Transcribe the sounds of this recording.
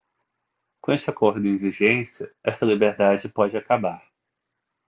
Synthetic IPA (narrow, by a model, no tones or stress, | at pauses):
kõest͡ʃɪakoɾd̪ʊẽviʒẽsjɐɛst̪ɐlibeɾd̪ad͡ʒɪpɔd͡ʒɪakabaɾ